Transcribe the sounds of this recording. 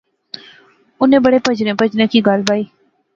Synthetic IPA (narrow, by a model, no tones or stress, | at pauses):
ʊnẽːbəɽeːpəd͡ʒnẽːpəd͡ʒnẽːkiːɡalbaːiː